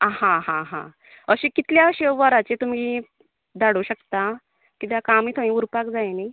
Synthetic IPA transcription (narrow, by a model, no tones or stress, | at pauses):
hãɦãɦã̰ | əɕĩkit̪ljaɕeʋəɾat͡set̪umi | d̪aɽuɕəkt̪a | kit̪jakamiːt̪ʰãĩuɾpakd͡zajni